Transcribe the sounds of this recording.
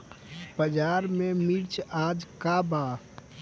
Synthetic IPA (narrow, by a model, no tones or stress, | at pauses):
bəd͡ʒaːɾmẽmiɾt͡ʃʰaːd͡ʒkabaː